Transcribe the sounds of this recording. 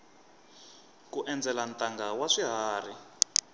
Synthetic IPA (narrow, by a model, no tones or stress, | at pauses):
kuʔɛnd͡zɛlantʼaŋɡawaʂiɦaːri